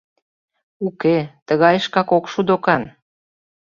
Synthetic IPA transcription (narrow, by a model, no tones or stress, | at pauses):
uket̪əɣɑjəʃkɑkokʃud̪okɑn